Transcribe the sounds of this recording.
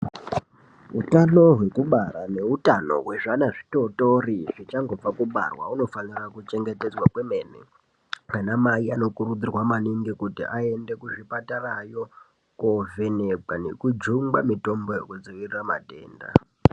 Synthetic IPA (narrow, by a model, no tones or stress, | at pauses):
ɦutano̞ɦwe̞kuɓaɾane̞utano̞̰ɦwe̞ʐanaʐito̞toriʐit͡ʃaŋɡo̞b͡vakuɓa̰rwa̰uno̞fanirakut͡ʃe̞ŋɡete̞d͡zwakwemenḛ | kanamaiano̞kurud͡zirwamaniŋɡikutḭʔae̞nde̞kuʐipatarajo̞ | kove̞nekanekud͡ʒuŋɡamito̞mbo̞jekud͡ziʋiriramate̞ːnda̰